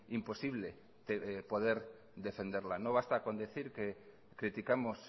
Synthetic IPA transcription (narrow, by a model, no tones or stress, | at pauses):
impo̞siβ̞le | t̪epo̞ð̞e̞ɾ | d̪e̞fe̞nd̪eɾlanoβ̞ast̪ako̞nd̪eθiɾke | kɾit̪ikamos